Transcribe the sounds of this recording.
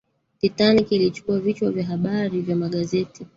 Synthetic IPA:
titanikilit͡ʃu̥kuavit͡ʃwavjaɦaɓaɾivjamaɠazɛti

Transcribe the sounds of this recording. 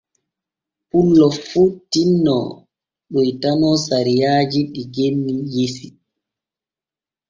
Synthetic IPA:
pulːɔfuːtinːɔ̰ | ɓujtanɔsaɾijaːd͡ʒiɗiɡenːijisi

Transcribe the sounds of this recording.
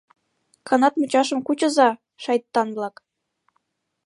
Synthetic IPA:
kɑnɑt̪mɤ̆t͡ɕɑʃɤ̆mkut͡ɕɤ̆zɑ | ʃɑjt̪ːɑnvlˠɑk

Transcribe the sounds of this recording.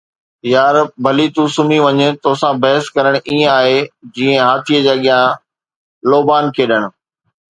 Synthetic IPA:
jaːɾbʱɐlit̪uːsʊmiʋɐɲə̆t̪oːsãbɐɦəskɐɾəɽ̃ʔiːẽaːɦed͡ʑĩːə̃ɦaːt̪ʰijəd͡ʑaːɠɪjã | loːbaːnkʰeːɗəɽ̃ʊ̆

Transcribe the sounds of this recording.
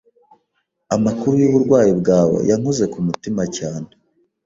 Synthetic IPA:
amakuɾujuβuɾɡwaːjibɡaːwḛjaŋ̥uze̞kumutimacaːne

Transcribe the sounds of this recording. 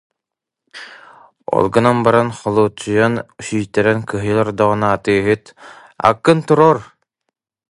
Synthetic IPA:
ɔ̰lˠɡɯnanbaɾanχɔlˠuːt͡ʃːujanuɕiːjt̪ɛɾɛnkɯɦɯjlˠɔɾd̪ɔʁɯ̆naːt̪ɯːɦɯt̪ | a̰kːɯnt̪uɾɔːɾ

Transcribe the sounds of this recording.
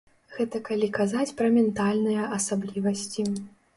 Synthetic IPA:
ɣɛt̪ɐkalʲikazat͡sʲpɾɐmʲɛnt̪alʲnɨjɐʔɐsablʲivɐsʲt͡sʲi

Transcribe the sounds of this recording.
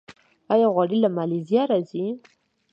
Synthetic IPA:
ajaɣwaɽilamalizijɑɾazi

